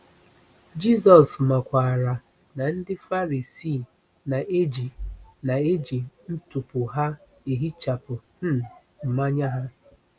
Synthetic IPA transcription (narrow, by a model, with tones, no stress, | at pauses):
d͡ʒi˦˨sɔ˨sma˨kʷa˨ɾa˨ | na˨n̩˦dɪ˦fa˦ɾi˨si˦˨ | na˨ʔe˦d͡ʒi˨na˨e˦d͡ʒi˨n̩˦tu˨pʊ˨ɦa˦ | e˨ɦi˦t͡ʃa˨pʊ˨n̩˦˨ | m̩˨ma˦ɲa˦ɦa˦